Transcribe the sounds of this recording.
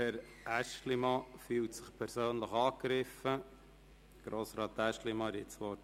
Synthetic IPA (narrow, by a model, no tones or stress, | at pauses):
hɛɾ | æʃtlimɑfyːltsə̥χpʰɛɾsøːnləχɑːkɾɪfə | ɡ̥ɾoːsɾɑːt̪ːæʃtlimɑɛɾjɪt͡sʋɔɾt